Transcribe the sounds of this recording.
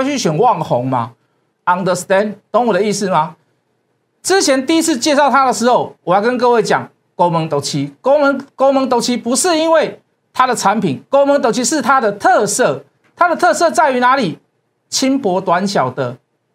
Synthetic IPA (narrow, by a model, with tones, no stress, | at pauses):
t͡ɕy˥˩ɕɥɛ˨˩nwɑ˥˨˩ŋhɔ˨˦ŋma̰˨ | a˨˩ŋd̪ə˧st̪ɛ˥˦nt̪ɔ˧˦ŋu˨˩d̪ə˩˦i˥˧sɹ̩˥˩ma˨ | t͡sɻ̩˦t͡ɕʰjɛ˧˦nt̪i˥˧i˦˥t͡s̩ʰ˥˧t͡ɕjɛ˥˧sɑ˥˩ʊt̪ʰa˦d̪ə˨ʂɻ̩˧˦ho˥˩ʊwɔ˨˩ha˥˩kə˦nk̬ɤ˥˧˦we˥˩ɪt͡ɕja̰˨˩ŋ | ko˦ʊmə˨˦ŋt̪o˨˦ʊt͡ɕʰi˦ko˥˦ʊmə˧˦ŋko˥˦ʊmə˧˦ŋt̪o˧˥ʊt͡ɕʰi˦˥pu˧˦ʂɻ̩˥˨i˦nwe˥˩ɪ | t̪ʰa˦d̪ə˨t͡sʰa˨˦npi˨˩nko˦ʊmə˧˦ŋt̪o˧ʊt͡ɕʰi˦˥ʂɻ̩˥˨t̪ʰa˦d̪ə˨t̪ʰə˥˧sɤ˥˩ | t̪ʰa˦d̪ə˨t̪ʰɤ˥˧sɤ˥˧t͡sa˥˩ɪy˧˦na˧˦li˨˩ | t͡ɕʰi˦npwɔ˧˥t̪wa˨˦nɕja˨˩ʊd̪ə˦